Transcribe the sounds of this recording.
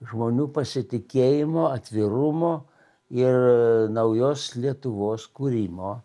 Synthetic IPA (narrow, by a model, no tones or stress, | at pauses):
ʒmoːnʲuːpɐsʲɪt̪ʲɪkʲeːjɪmoːɐt̪ʲʋʲɪɾʊmoː | ɪrnɐʊjoːslʲiɛt̪ʊʋoːskuːɾʲiːmoː